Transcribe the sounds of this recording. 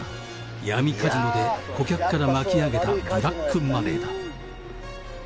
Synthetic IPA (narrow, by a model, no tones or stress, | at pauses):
jamʲikʰad͡ʑinod̪e̞kokʲakɯ̥kːaɾamakʲiaɡe̞t̪adoɾakʰːɯmːad̪e̞̰d̪a